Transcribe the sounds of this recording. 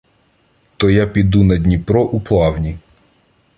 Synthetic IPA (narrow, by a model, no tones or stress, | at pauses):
t̪ɔjapʲid̪unɐd̪ʲnʲipɾɔʔuplˠɑwnʲi